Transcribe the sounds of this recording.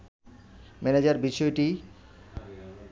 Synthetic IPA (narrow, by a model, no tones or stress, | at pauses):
mɛned͡ʑaɾbiʃɔeʈi